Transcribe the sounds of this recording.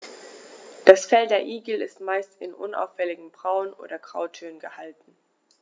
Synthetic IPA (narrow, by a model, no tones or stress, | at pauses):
d̥asfɛldeːɐʔiːɡl̩ɪ̰stmaɪstɪ̰nʔʊ̰na̰ʊfːɛlɪɡŋ̩bʁaʊənʔo̰ːdɐɡʁ̥aʊtʰøːənɡəhaltn̩